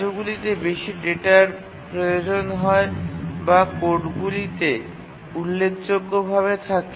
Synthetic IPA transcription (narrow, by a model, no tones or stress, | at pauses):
oɡulit̪ebeʃiɖeʈaɾ | pɾojod͡ʑonɦɔebakoʈɡulit̪e | ulːekʰd͡ʑoɡːobʱaβet̪ʰake